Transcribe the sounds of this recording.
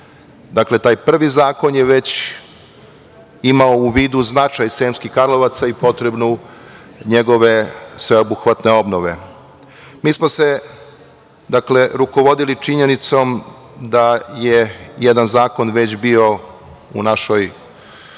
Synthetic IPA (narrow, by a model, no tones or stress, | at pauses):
d̪akle̞t̪aːjpr̩ʋizaːko̞njeʋe̞t͡ɕ | imaouʋiːd̪uznat͡ʃajseːmskixkaɾloʋat̪saipo̞t̪ɾe̞bnu | ɲeɡo̞ʋe̞sʋe̞obuxʋat̪ne̞o̞bnoʋe̞̰ | miːsmo̞se̞ | d̪akle̞ɾuko̞ʋo̞d̪ilit͡ʃiɲe̞nit̪so̞m | d̪ajejed̪anzaːko̞nʋe̞t͡ɕbio̞ | ṵnaʃoj